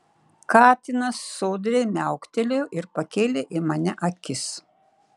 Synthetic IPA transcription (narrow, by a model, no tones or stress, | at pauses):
kɑːt̪ʲɪnɐsːoːd̪ʲɾʲemʲæˑʊkt̪ʲɛlʲeʔɪɾpɐkʲeːlʲeʔɪmɐnʲɛʔɐkʲɪs